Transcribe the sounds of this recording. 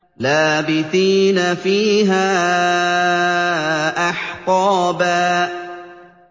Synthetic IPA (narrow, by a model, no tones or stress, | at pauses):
laːbɪθiːnafiːɦaː | ʔɑħqɑːbaː